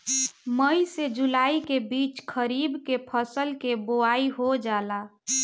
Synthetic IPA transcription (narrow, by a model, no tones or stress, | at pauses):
məised͡ʒulaːikebiːt͡ʃkʰəɾibkepʰəsəlkeboaiɦod͡ʒaːla